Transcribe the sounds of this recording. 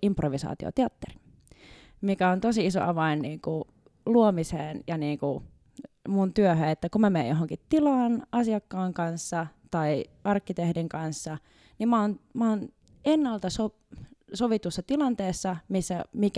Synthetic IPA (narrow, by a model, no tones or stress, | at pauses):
improʋisɑ̰ːt̪io̰t̪eɑt̪ːeri̥ | mikæont̪osiiso̰ʔɑʋɑinniːŋku | luomiseːnjɑniːŋku | munt̪yøhøet̪ːækumæmeːjjoɦoŋkit̪ilɑːnʔɑsiɑkːɑːŋkɑnsːɑt̪ɑi | ɑrkːit̪ehdiŋkɑnsːɑ | nimmɑːnmɑoːn | enːɑlt̪ɑso | soʋit̪usːɑt̪ilɑnt̪eːsːɑmisːæ̰mik